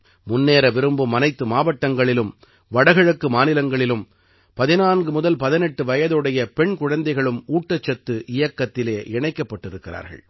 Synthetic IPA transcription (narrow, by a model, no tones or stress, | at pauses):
mʊnːeːɾɐʋɪɾɯmbɯmɐnɐɪt̪ːɯmaːʋɐʈːɐŋɡɐɭɪlɯm | ʋɐɽɐɣɐɻɐkːɯmaːnɪlɐŋɡɐɭɪlɯm | pɐðɪnaːnɡɯmʊðɐlpɐðɪnɛʈːɯʋɐjɐðɯɽɐjɐpɛɳkʊɻɐnd̪ɐɪɣɐɭɯmuːʈːɐt͡ʃːɐt̪ːɯʔɪjɐkːɐt̪ːɪleːʔɛɳɐɪkːɐpːɐʈːɪɾɯkːɪra̰ːɾɣɐ̰ɭ